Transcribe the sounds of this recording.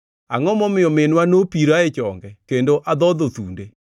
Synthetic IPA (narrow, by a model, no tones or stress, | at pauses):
a̰ŋɔmɔmɪɔmenwanopiɾaet͡ʃɔŋɡɛkendoʔaðɔðoθunde